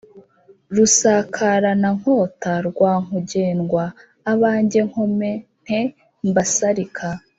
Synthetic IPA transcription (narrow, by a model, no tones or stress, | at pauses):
ɾusakʰaɾanaŋ̥o̞ːtaɾɡwaːŋuɟe̞ːnɡwaː | βaːɲɟe̞ŋ̥ho̞me̞n̥he | mbasaɾikʰa